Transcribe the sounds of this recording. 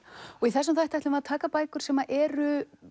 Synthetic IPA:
ɔɣiθɛsːʏmθajt̪ajht̪ʏmaðt̪ʰaːkapaːjkʏɾ̥sɛmaʔɛːɾʏ

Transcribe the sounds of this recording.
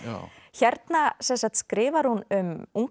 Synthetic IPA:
çɛɾt̪nasɛnsaht̪skɾɪːvaɾ̥hunʏmuŋk

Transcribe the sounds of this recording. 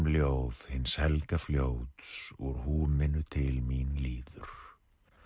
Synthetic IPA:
mljoːwð̥hɪnːshɛlkafljoːwt̪sɔɾhuːmɪnːʏt̪ʰɪlminliːðʏɾ̥

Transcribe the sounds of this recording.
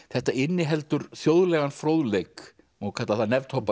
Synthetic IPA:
θɛht̪aɪnːɪɦɛlt̪ʏɾθjowðlɛɣanfɾowðlejk | ɔɣkʰvɛt̪laθaðnɛvt̪howpa

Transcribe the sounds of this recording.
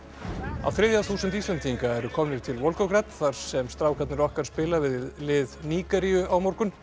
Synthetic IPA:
a̰wθɾɪðjaθuːsʏnt̪ist̪ɛnt̪ʰiŋkaɛɾʏkʰɔːmnɪ̥t̪ʰɪlvɔwlkɔkɾɛt̪θaɾ̥sɛmst̪ɾaːwkʰat̪nɪɾɔhkaɾ̥spɪːlavɪððlɪðniːkaɾiʏawmoɾkʏn

